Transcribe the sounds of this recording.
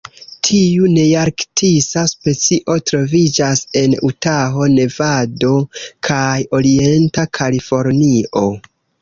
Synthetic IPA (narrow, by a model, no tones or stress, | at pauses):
tʰiune̞jaɾktʰisaspe̞t͡siʔo̞tɾo̞vid͡ʒase̞nṵtaɦo̞ne̞vado̞kʰajo̞ɾie̞ntakʰalifo̞ɾniʔo̞